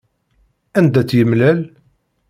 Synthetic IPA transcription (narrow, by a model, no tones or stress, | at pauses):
ænd̪æt͡sːjəmlæl